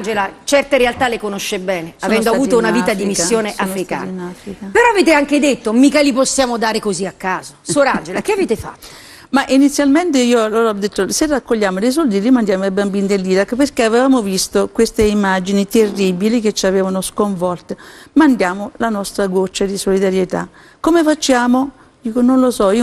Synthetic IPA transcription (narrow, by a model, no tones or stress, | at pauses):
nd͡ʒelat͡ʃɛrt̪eɾealt̪alekonoʃːebɛːneavɛnd̪oavuːt̪ounaviːt̪ad̪imisːjoːneʔʔafɾika̰inafɾikapeɾɔaveːt̪eaŋked̪et̪ːomikaliposːjaːmod̪aːɾekoziakːaːzosoːɾand͡ʒelakeaveːt̪efa̰t̪ːo̥ | maʔinit̪sːjalment̪eiːoaloːɾɔd̪ːet̪ːoserːakːoʎːaːmod̪ejs̬ɔld̪ilimand̪jaːmoajbambiːnid̪elːiːɾakːperkeavevaːmovist̪okwest̪eimːad͡ʒinit̪erːibiliket͡ʃːaveːvanoskoɱvɔlt̪emand̪jaːmolanɔst̪ɾaɡot͡ʃːad̪isolid̪aɾjet̪a̰ | kːomefat͡ʃːaːmo | d̪iːkononlosɔio